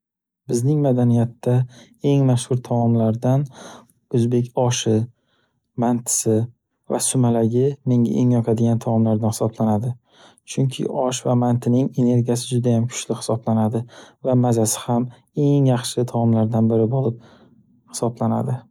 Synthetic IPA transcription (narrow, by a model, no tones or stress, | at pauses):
bɪznɪŋmad̪anijat̪ːa | e̞ŋmaʃhʊɾt̪ʰamɒmlaɾd̪an | ɵzbe̞k̬ʲɒʃɪ | mant̪ʰɪ̥sɪ | va̰sʊmalaɡʲɪme̞ŋa̰ʔeŋjɒqʰad̪ɪɡʲant̪ʰamɒmlaɾd̪anhɪ̥sɒblanad̪ɪ | t͡ʃʰʊŋkʲʰɪ̰ʔɒʃvamant̪ʰɪnɪŋe̞ne̞ɾɡʲijasɪd͡ʒʊd̪ajamkʰʊ̥t͡ʃlɪhɪ̥sɒblanad̪ɪvamazasɪ̥ham | e̞ŋjɑχʃɪt̪ʰamɒmlaɾd̪anbɪɾɪbɒlˠp̚ | hɪ̥sɒblana̰d̪ɪ